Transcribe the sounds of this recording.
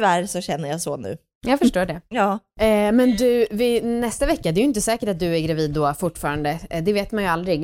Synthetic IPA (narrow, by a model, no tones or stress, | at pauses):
væɾsɔɕɛnːəjasonʉ̰ː | jɑːɡfœʂʈoːɖɛjɑːmɛnd̪ɵvɪnɛst̪avɛkːad̪ɛːɾjʏɪnt̪əsɛːkəʈat̪̚d̪ɵæɾɡɾaviːd̪ːɔfʊʈːfɑːɾand̪əd̪ɛveːt̪manjɵald̪ɾɪɡ